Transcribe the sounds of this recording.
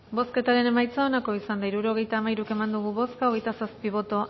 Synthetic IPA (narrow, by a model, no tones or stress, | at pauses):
bo̞ske̞t̪aɾe̞ne̞majt͡saonako̞isand̪ajɾuɾo̞ɣ̞e̞jt̪aːmajɾuke̞mand̪uɣ̞uβo̞skaoɣ̞e̞jt̪asaspiβ̞o̞t̪o̞